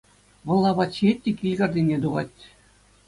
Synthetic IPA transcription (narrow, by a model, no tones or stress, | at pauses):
ʋɤ̆lˠːɑbɑt͡ɕet̚ʲːikʲilʲɡʲɑrʲdʲinʲed̪uʁɑ̰t̪ʲː